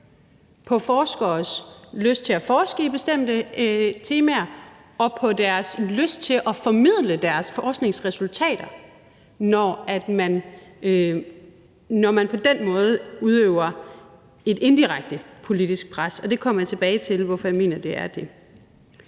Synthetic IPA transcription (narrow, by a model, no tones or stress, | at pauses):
pʰɒ̽fɒːsɡ̥ɒsløsd̥̚t͡sʰe̝æfɒːsɡ̥əib̥e̝sd̥em̰d̥ət͡sʰe̝ːmæɐ | ɒ̽pʰɒ̽d̥æɐsløsd̥̚t͡sʰe̝ʔɒ̽fɒ̽mið̞̰ˠləd̥æɐsfɒːsɡ̥ne̝ŋsʁɛsult͡sʰɛ̰ːd̥ɐ | nɒæd̥mæn | nɒmænpʰɒ̽d̥enmɔ̽ːð̞̩ˠuð̞ˠøʊɐ | e̝d̥e̝nd̥iʁaɡ̥̚d̥əpʰo̝lid̥isɡ̥̚pʰʁasɒ̽d̥e̝kʰɒ̽m̰ɐjät͡sʰe̝b̥ɛːɪt͡sʰe̝lʋɒfɒjäme̝̰ːnɐd̥e̝ʔæɐd̥e̝